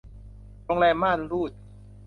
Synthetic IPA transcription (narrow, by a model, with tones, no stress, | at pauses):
ɾo˧ŋlɛː˧maː˥˩˨nɾuː˥˩t̪̚